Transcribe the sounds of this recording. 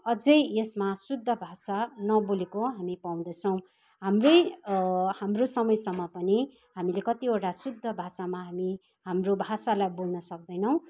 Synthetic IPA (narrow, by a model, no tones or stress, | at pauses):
ʌd͡zʌjesmasud̪ʱːʌbʱasanʌbolekoɦamipaw̃d̪ʌt͡sʰʌw̃ | ɦamroj | hamrosʌmʌjsʌmːʌpʌni | ɦamilekʌt̪ioʈasud̪ʱːʌbʱasamaɦami | hamrobʱasalajbolnʌsʌk̚d̪ʌjnʌw̃